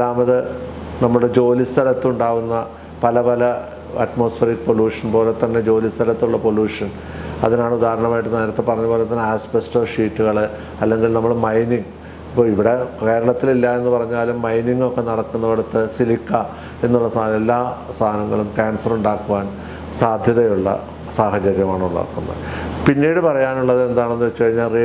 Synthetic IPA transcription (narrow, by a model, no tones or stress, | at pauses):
aːmɐðɨnɐmːuɽe̞d͡ʑo̞ːlist̪ʰɐlɐt̪ːuɳɖaːʋunːɐ | pɐlɐpɐlɐ | ɐtmo̞ːsferikːɨpo̞ljuːʂɐnpo̞ːlet̪ːɐnːe̞d͡ʑo̞ːlist̪ʰɐlɐt̪ːuɭːɐpoljuːʂɐn | ɐ̰ðinaːɳud̪aːɦɾɐɳɐmaːjiʈːɨneːɾɐt̪ːepɐrɐɲːɐpo̞ːlet̪ːɐnːaːspestoːʂiːʈːuɣɐɭɨ | ɐlːe̞ŋɡilnɐmːɐɭmɐjniŋ | ipːoiʋiɽe̞ke̞ːɾɐɭɐt̪ːililːɐe̞nːupɐrɐɲːaːlumːɐjniŋːo̞kːe̞nɐɽɐkːunːɐʋiɽɐt̪ːɨsilikːɐ | e̞nːuɭːɐsaelːaːst̪ʰaːnɐŋːɐ̰ɭumʈaːnsɐruɳɖaːkːuʋaːn | saːd̪ʱjɐðɐjuɭːɐ̰ | saːhɐt͡ɕɐɾjɐmaːɳuɳɖa̰ːkːunːɐ̰ðɨpinːiːɽɨpɐrɐjaːnuɭːɐðe̞nd̪aːɳe̞nːuʋɐt͡ɕːuɐriɲːaːlri